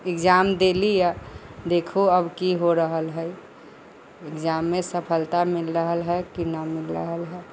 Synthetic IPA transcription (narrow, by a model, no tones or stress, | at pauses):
ekd͡ʒamd̪elijad̪ekʰuəbkiɦoɾəɦəlɦəj | ɪkd͡ʒamːesəpʰəlt̪amɪlɾəɦəlɦɛkinamɪlɾə̰ɦəlɦɛ